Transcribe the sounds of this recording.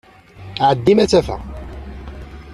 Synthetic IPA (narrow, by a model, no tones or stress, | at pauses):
ʕəd̪ːimæt͡sːæfæ̰